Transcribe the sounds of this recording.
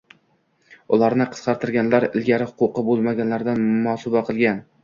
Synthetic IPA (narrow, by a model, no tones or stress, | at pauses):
ʊlˠaɾnɪqʰɨ̥sqʰɑɾt̪ʰɪɾɡʲanlaɾɪlɡʲaɾɪhʊqʊqɨbolˠmaɡʲanlaɾd̪anmɒsɒbaqʰɨlˠɡʲan